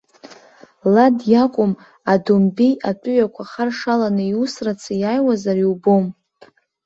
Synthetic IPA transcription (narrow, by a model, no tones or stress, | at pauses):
ladjakʷʼʊm | adumbijatʼʊɥakʷʰaχarʂalanɨiusrat͡sʰɨjajwazariwbom